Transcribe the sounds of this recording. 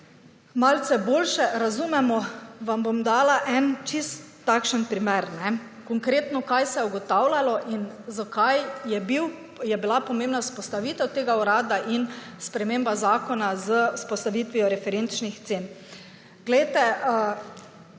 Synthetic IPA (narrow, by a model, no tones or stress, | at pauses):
malt̪sɛboːlʃɛɾazumɛmɔʋambomd̪aːlaʔɛnt͡ʃist̪ːakʃənpɾimɛɾnɛ | kɔŋkɾeːt̪nɔkajsɛjɛuɡɔt̪awlʲalɔʔin | zakajjɛbiw | jɛbilapɔmẽːmbnaspɔst̪aʋiːt̪ɛwt̪eːɡauɾaːd̪aʔin | spɾɛmeːmbazaːkɔnazəuspɔst̪aʋit̪ʋiɔɾɛfɛɾent͡ʃnixt̪seːn | ɡ̥lɛjt̪ɛə